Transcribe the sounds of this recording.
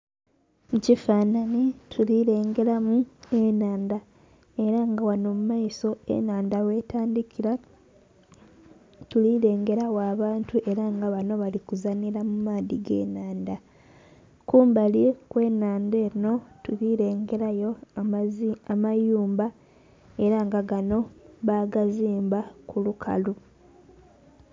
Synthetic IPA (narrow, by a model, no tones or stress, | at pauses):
mucifaːnanitʰuliɾe̞ːŋɡe̞ɾamuenaːnda | e̞ɾaŋɡawano̞ːmumajiso̞ḛnaːndawe̞ːtaːndikiɾa | tuliɾe̞ːŋɡe̞ɾawaːβaːntuʔe̞ɾaŋɡaβano̞βalikuzaniɾamumaːðiɡe̞̰ːnaːnda | kuːmbalikwe̞ːnaːnde̞ːino̞tuliɾeːŋɡe̞ɾajo̞ | amajuːmba | e̞ɾaŋɡaɡano̞βaːɡaziːmbakulukʰa̰lu